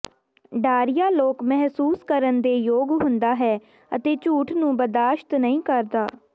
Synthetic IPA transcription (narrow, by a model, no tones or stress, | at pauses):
ɖaːɾɪjaːloːkmɛɦsuːskəɾənd̪eːjoːɡɦʊnd̪aːɦɛː | ət̪eːt͡ʃuːʈʰnũːbəd̪aːʃt̪nəĩːkəɾd̪aː